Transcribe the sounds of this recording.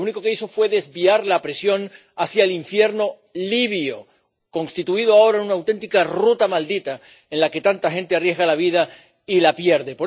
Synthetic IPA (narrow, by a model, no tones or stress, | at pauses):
uniko̞ke̞iso̞fwe̞ðe̞zβiaɾlapɾesjo̞n | asjaeliɱfje̞ɾno̞ | liβjo | ko̞nst̪it̪uiðoao̞ɾaenunawt̪e̞nt̪ikarut̪amald̪it̪a | enlake̞t̪ant̪axẽ̞nt̪earje̞zɣalaβiða | ilapje̞ɾðe̞po